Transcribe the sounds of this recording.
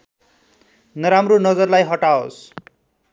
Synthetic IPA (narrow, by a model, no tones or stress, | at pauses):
nʌɾamronʌd͡zʌrlajɦʌʈao̰s